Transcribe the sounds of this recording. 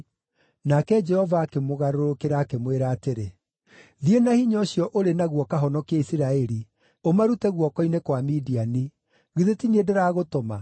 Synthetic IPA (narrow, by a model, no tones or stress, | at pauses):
nakɛd͡ʒɛhɔvaːkemoɣaɾoɾokeɾaːkemweɾaːteɾe | ðienahiɲɔɕjɔʔoɾenaɣwɔkaɦɔnɔkaisiɾaɛɾi | omaɾutɛɣwɔkɔinekwamidiani | ɣiðetiniedɛɾaːɣotɔma